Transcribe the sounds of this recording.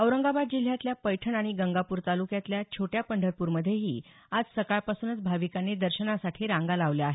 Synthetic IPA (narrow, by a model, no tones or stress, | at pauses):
əwɾəŋɡabad̪̚d͡ʑil̤jat̪ljapəjʈʰəɳaɽ̃iɡəŋɡapuːɾt̪alukjat̪ljat͡ɕʰoʈjapəɳɖʱəɾpuːɾməd̪ʱjeɦḭː | ad͡zsəkaɭpasuːnət͡sbʱaʋikanːed̪əɾɕənasaʈʰiːɾãŋɡalaʋljaaɦe